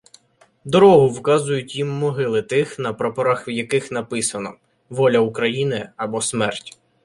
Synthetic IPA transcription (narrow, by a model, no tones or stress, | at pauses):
d̪ɔɾɔɦʊwkɑzʊjʊtʲjimːɔɦɪlˠɪt̪ɪxn̪ɐpɾɔpɔɾɑxwjɐkɪxnɐpɪsɐnɔ̰ | ʋɔlʲɐukɾɐjinɪɐbɔsmɛrtʲ